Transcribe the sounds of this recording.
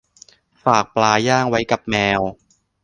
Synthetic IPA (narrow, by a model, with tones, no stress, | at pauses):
faː˨˩k̚plaː˧jaː˥˩ŋwa˦˥jka˨˩p̚mɛː˧w